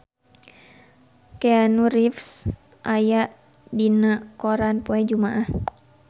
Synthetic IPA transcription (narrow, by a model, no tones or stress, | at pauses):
keanuɾifs | ʔajaʔ | dinaʔkoɾanpoɛd͡ʒumaʔah